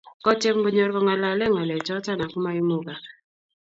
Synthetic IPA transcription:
kɔ˦t͡ʃe˦m˦ɡo˦ɲo˦ɾkɔ˦ŋa˨la˨˦lɛ˦ŋa˨lɛ˨t͡ʃɔ˦ta˦na˨ku˦ma˦i˦mo˦ka˨

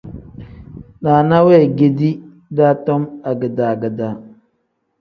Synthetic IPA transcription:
naː˨na˦wɛ˦˨ɡe˨di˦ | daː˦tɔ˦ma˨ɡə˨daː˨ɡə˨da˨

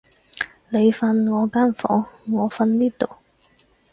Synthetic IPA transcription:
le˨˧jfɐ˧nŋɔː˨˧kaː˥nfɔ̰ː˨˥ŋːɔː˨˧fɐ˧nliː˥t̪o˨˩w

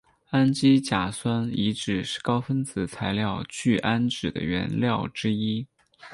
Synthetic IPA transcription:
a˥nt͡ɕi˥t͡ɕja˨˩swa˥ni˧˥ʈ͡ʂɻ̩˨˩ʂɻ̩˥˩kɑ˥ʊfə˥nt͡sɹ̩˨˩t͡sʰa˧˥ɪljɑ˥˧ʊt͡ɕy˥˩ʔa˥nʈ͡ʂɻ̩˨˩d̪ə̰˦ɥɛ̰˧˥nljɑ˥˩ʊʈ͡ʂɻ̩˥i˥

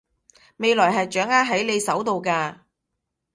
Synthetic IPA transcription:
me˨˧jlɔː˨˩jɦɐ˨jt͡ʃœː˨˥ŋaː˥ɦɐ˨˥jne˨˧jsɐ˨˥wt̪o˨wkaː˧

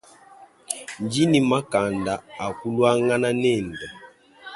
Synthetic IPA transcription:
n˨d͡ʒi˦ni˨ma˦ka˨nda˨a˨ku˦lwa˦ŋa˦na˦nɛ˦˨n˨da˨

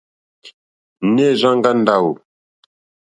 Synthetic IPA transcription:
ne˦˨zã˦ŋɡa˦n˦da˦˨wu˨

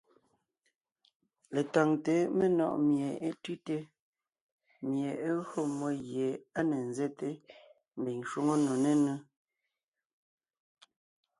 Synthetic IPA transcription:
le˨ta˨ŋte˨˦me˦nɔ̰˨ʔmje˨e˦tʉ˦te˦ | mje˨e˦ɰo˦˨mo˦ɣje˨a˦ne˨n̩˦zɛ˦te˦ | m̩˨bi˨ŋʃwo˦ŋo˦no˨ne˦nu˦

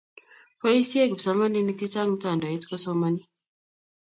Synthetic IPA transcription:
pɔ˦i˦si˦e˦ɡbsa˦ma˦ni˦ni˦ki˦ta˦ŋm̩˦ta˦˨ndɔ˨ɛ˦tkɔ˦sɔ˦ma˦ni˦

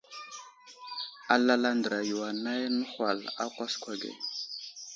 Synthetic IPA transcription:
a˨la˦la˦ndə˨ɾa˨ju˨wa˨na˦jnə˦xʷa˨la̰˦kʷa˦skʷa˨ɡḛ˨

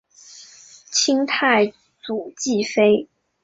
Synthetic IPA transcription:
t͡ɕʰi˥ŋt̪ʰa˥˩ɪ | t͡su˨˩t͡ɕi˥˩fe˥ɪ

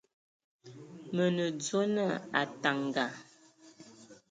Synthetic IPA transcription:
mə˨nə˨d͡zo˦nə˦˨a̰˨ta˨ŋ˨ɡa˨

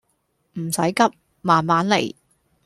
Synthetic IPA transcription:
m̩˨˩sɐ˨˥jkɐ˥p̚ | maː˨˩nmaː˨˥nlḛ˨˩j

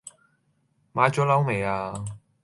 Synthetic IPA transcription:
maː˨˥jt͡ʃɔː˨˥lɐ˨˥wme˨˩jaː˧

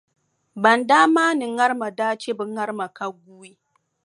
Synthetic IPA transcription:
bɐ˨ndaː˦maː˦ni˨ŋːɐ˦ɾma˨daː˦t͡ʃe˦bɨ˨˦ŋːa˦ɾma˨ka˦ɡʷu˦iː˦

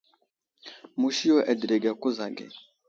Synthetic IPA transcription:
mu˨ʃi˦jo˦ʔɛ˨dɾe˨ɡɛ˨ku˦za˨ɡḛ˨

